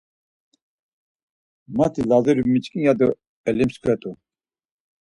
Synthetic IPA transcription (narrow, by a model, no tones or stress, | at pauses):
mat̪ʰilaziɾumit͡ʃʼkʼijad̪u | ɛlimskʰɛt̪ʼu